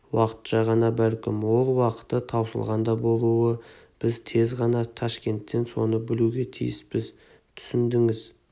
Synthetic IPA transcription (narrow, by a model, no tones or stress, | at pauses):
wɑqə̥t̪ʃɑʁɑnɑbælkʲɪmwo̞lˠwɑqə̥t̪ːət̪ʰɑwsə̰lˠʁɑnd̪ɑbo̞lˠuwə | b̥ɪzt̪ʰe̞zʁɑnɑt̪ʰɑʃkʲe̞nt̪ːe̞nso̞̰nəbɪluɡʲe̞t̪ʰḭjɪsb̥ɪz | t̪ʰʏ̥sɪnd̪ɪŋɪz